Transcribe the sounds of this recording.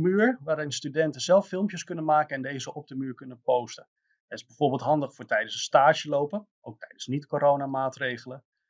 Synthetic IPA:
myːɹʋaːɾɪnstydɛntəzɛlˠfɪlˠmpjəskɵnənmaːkəɛndejzəʔɔp̚dəmyːɹkɵnənpowstə | ɛtɪzbɛjv̥ʊːɹbːlˠtɦɑndəχfʊːɹtɛjdənsəstaːʃəlowpənʔowk̚tɛjdənsnitkoɾownamaːtrejχələ

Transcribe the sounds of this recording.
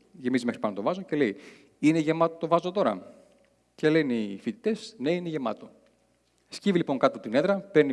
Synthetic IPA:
ʝe̞mizime̞xɾipɐnot̪o̞vɐzoce̞le̞i | ineʝe̞mɐt̪ot̪o̞vɐzot̪o̞ɾɐ̰ | ce̞le̞nifit̪i̥t̪e̞sne̞ineʝe̞mɐt̪o̞ | scivilipo̞ŋkɐt̪ot̪ine̞ðɾɐpeɾni

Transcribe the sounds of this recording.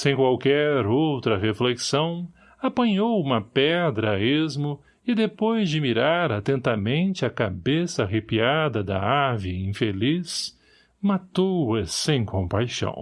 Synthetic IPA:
sẽj̃kwawkɛɾowt̪ɾɐɦefleksɐ̃w̃ | apɐ̃ɲowũmɐpɛd̪ɾɐezmʊ | ɪd̪epojzd͡ʒɪmiɾaɾat̪ẽnt̪amẽnt͡ʃɪaka̰besɐɦepiad̪ɐd̪ɐ̰aviĩfelis | mat̪owɐsẽj̃kʰõpajʃɐ̰̃w̃

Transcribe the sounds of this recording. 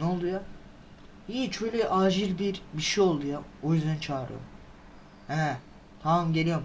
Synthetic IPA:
nolˠd̪uja | iːt͡ʃʰøjlʲɛʔaːd͡ʒilʲbiɾbiʃijo̞lˠd̪ujaojyzd̪ænt͡ʃʰaːɾɯ̰jo̰m | hɛ | t̪ʰaamɟe̞lʲijom

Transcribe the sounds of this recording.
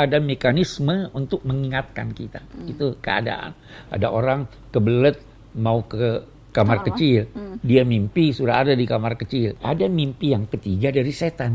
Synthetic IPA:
adamekanisməunt̪ʊk̚məŋiŋat̪̚ka̰nkit̪ait̪ukəa̰da̰ʔa̰n | ʔa̰daʔoɾaŋ | kəbələt̪̚ | maukə | kamarkət͡ʃɪldiamimpisuɾaɦadadikamarkət͡ʃɪla̰damimpijaŋkət̪iɡadaɾiset̪an

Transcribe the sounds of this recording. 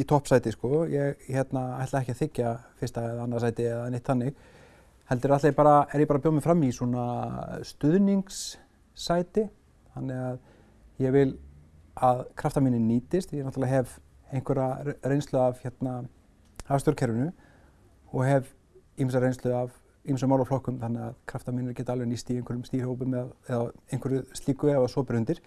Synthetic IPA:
it̪ʰɔhpsaːjt̪ɪskɔjɛɣçɛt̪naaht̪laɛhcɪaθɪcːafɪ̥st̪aɛðanːaɾsaːjt̪ɪɛðanejht̪θanːɪɣ | hɛlt̪ʏɾaht̪ajpaːɾaɛɾjɛpaːɾapjoːwmɪfɾamːiswɔnast̪ʏðniŋksː | ajt̪ɪ | θanːɪɣað | jɛɣvɪl | aðkʰɾaft̪amiːnɪnnːiːt̪ɪst̪jɛnaht̪aaɦɛv | ejnkvɛɾarejnst̪lʏavçɛt̪na | hafst̪jɔwɾcʰɛɾvʏnʏ | ɔɣɦɛv | imɪnsarejnst̪ʏav | imɪsamawlawflɔhkʏmθanːɪɣaðkʰɾaft̪amiːnɾcɛːt̪aalvɛnist̪iejnŋkvʏɾʏmst̪iɾ̥howpʏmɛðɛðaejnkʰvɛɾʏst̪iːkʏɛvasɔːpɾʏnt̪ɪɾ̥

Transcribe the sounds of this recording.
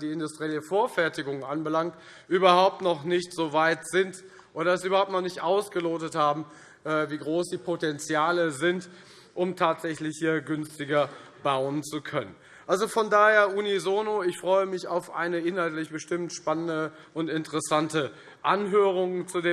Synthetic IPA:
d̥iːɪndʊstʁ̥iɛːləfoːɐfɛɐtɪɡʊŋənʔanbəlaŋkt | ʔyːbɐhaʊp̚tnɔχnɪçtz̥oːvaɪtz̥ɪnt | ʔoːɾɐɛs̬yːbɐhaʊptnɔχnɪçtʔaʊsɡ̥əloːtəthaːbm̩ | ʔɛːviːɡʁoːsd̥iːpʰotɛnt͡sjaːləzɪnt | ʔʊmtʰaːtz̥ɛçlɪçhiːɐɡʏnstɪɡɐ | baʊənt͡sukʰœnə̰n | ʔalzofɔndaːheːɐʔunizoːnoɪçfʁ̥ɔʏəmɪçaʊfʔa̰ɪnəɪnhaltlɪçb̥əʃtɪmtʃpanəndə | ʔʊntɪntəʁɛsantə | ʔanɦøːʁ̞ʊŋənt͡sudeː

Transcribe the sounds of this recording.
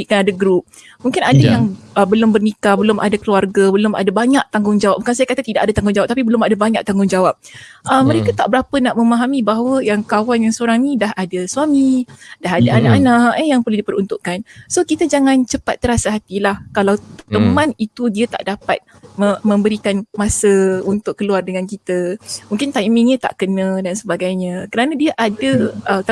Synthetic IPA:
iʔkanadaɡɾup̚ | muŋkɪnadajaŋbəlʊmbərnikabəlʊma̰dakəluarɡabəlʊma̰dabaɲaʔ̚t̪aŋɡʊŋd͡ʒawap̚buŋkansajakat̪at̪idaʔadat̪aŋɡʊŋd͡ʒawap̚t̪apibəlʊmadabaɲak̚t̪aŋɡʊŋd͡ʒawap̚ʔəmːə̃ɾekat̪a̰ʔbəɾapənaʔmə̃maɦamibaɦawəjaŋkawanjaŋsəoɾaŋnĩdaɦadaswamidaɦadaanaʔanaʔəjaŋpərluhdipəɾunt̪uʔkansokit̪ad͡ʒaŋant͡ʃəpat̪̚ːəɾasaɦat̪ilahkalawt̪əmãnit̪udiat̪a̰ʔdapa̰t̪̚ | mmə̃mbəɾikanmasəunt̪ʊkːəluardəŋankit̪əmũŋkɪnt̪ajmĩŋɲə̃t̪a̰ʔkənə̃dansəbaɡajɲãkəɾanadiaʔadəʔət̪

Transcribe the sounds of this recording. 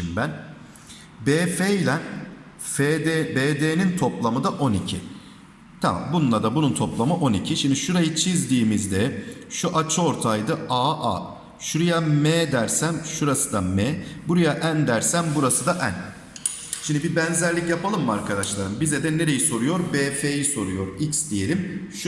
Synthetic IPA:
mbæn | beːfelʲɛn | fed̪ebeːd̪eːnint̪ʰo̞plˠamɯd̪aʔo̞nicʰḭ | t̪ʰama̰mbunnˠad̪abununt̪ʰo̞plˠamɯʔo̞nicʰiʃimd̪iʃuɾajɯt͡ʃʰizd̪iːmizd̪ɛʃuʔat͡ʃʰɯo̞ɾt̪ʰajd̪ɯaːʔa̰ | ʃuɾujameːd̪æɾsæmʃuɾasɯd̪ameːbuɾajaʔænd̪æɾsænbuɾasɯd̪aʔæn | ʃimd̪ibibɛnzæɾlʲicjapʰalˠɯmːaɾkʰad̪aʃlˠaɾɯmbizɛd̪ɛne̞ɾe̞jiso̞ɾujo̞ɾbeːfeːjiso̞ɾujo̞ɾicsd̪ije̞lʲimʃ

